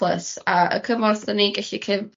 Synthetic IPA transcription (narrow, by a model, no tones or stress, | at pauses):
lˠəsaə̰kʰəmɔrθðəniɡɛɬikʰɪv